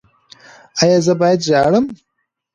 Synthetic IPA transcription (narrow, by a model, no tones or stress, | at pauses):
ajɑzəbɑjad̪ʒɑɽəm